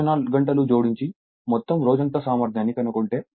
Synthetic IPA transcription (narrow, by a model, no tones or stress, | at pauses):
naːlɡɐɳʈɐlud͡ʒoːɽiɲt͡ʃi | mɔt̪ːɐmɾoːd͡ʒɐnt̪ɐsaːmɐɾd̪jaːnːikɐnukoɳʈe̞ː